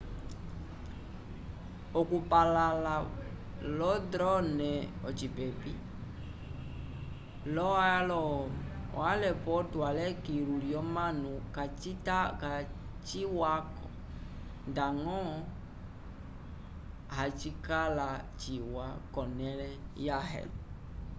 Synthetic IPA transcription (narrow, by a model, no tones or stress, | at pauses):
okupalala | lɔdɾɔnɛɔt͡ʃipɛbi | lɔalɔɔ̰alɛpɔdualɛkiluliɔmãnũkat͡ʃitaka | t͡ʃiwakɔ̰ | daŋɔ̃ | ɦat͡ʃikalat͡ʃiwakɔnɛ̃lɛjaɦɛ̰